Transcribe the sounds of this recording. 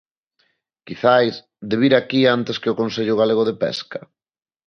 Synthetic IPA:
kiθajs | d̪eβ̞iɾakiant̪eskɪʊkonseʎʊɣ̞aleɣ̞ʊðepɛ̰skɐ

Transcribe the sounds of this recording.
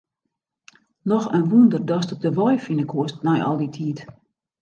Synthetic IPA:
nɔxənʋundərdɔstɔp̚dəʋɔjfinəkʰuəstnɛjʔɔ̰lˠditʰiət

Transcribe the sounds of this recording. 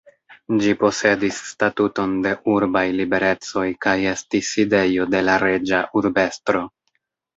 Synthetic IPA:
d͡ʒipo̞se̞disːtatuto̞nde̞ʔuɾbajlibe̞ɾe̞t͡so̞jkaje̞stiside̞jo̞de̞laɾe̞d͡ʒaʔuɾbe̞stɾo̞

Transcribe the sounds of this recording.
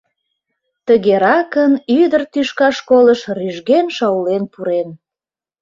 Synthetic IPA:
t̪əɣeɾɑkənyd̪ərt̪yʃkɑʃkoləʃryʒɣenʃɑwlenpuɾen

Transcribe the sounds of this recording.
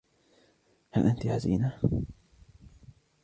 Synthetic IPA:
halʔant̪iʕazḭːna

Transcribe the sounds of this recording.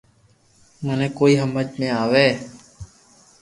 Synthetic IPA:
mənẽːkoːiːɦəmət͡ʃmẽːaːʋeː

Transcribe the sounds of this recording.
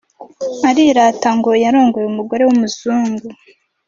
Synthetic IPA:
aɾiɾataŋɡo̞jaɾo̞ːŋɡo̞jeumuɡo̞ɾe̞wumuzuːŋɡu

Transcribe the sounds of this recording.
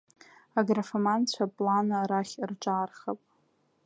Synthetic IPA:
aɡrafamant͡ɕʷʰapʼlanaɾaχʲrʈ͡ʂʼaːrχapʼ

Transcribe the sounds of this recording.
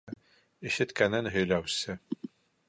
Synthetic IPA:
iʃɘ̆t̪kænɘnɦɵ̆jlæwsɘ

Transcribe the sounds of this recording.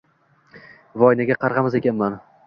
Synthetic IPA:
vɒjnaɡʲaqʰɑɾʁɑmɪze̞kʲʰanman

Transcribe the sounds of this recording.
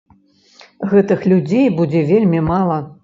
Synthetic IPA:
ɣɛt̪ɨxlʲud͡zʲejbud͡zʲɛvʲelʲmʲimalˠɐ

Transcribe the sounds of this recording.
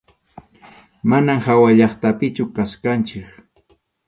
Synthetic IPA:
manamhawaʎɑχt̪apɪt͡ʃʊkaskant͡ʃɪk

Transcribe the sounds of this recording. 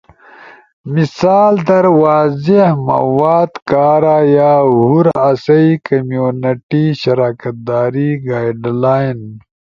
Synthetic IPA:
misaːld̪ɐɾwaːzehmɐ̰waːd̪kaːɾajaːɦuɾɐsɐikɐmjuːnɐʈiɕɐɾaːkɐt̪̚d̪aːɾiɡaːjɖlaːjn

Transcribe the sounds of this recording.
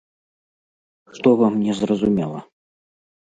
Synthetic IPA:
ʂt̪ɔvamnʲɛzrɐzumʲɛlˠɐ̰

